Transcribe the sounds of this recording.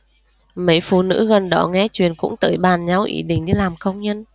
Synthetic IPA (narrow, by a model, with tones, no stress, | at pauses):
mə˧˦jfṵ˧˨nɨ̰˧˥ɣə˨˩nɗɔ˧˩˦ŋɛ˧˦t͡ɕwḭ˨ənkʊ̰˧˥ŋ͡mt̪əː˨˦jɓaː˨˩nɲa˨˧˦wʔḭ˧˩ɗï˧˨ŋ̟ɗi˧laː˨˩mkə˧wŋ͡mɲə˧n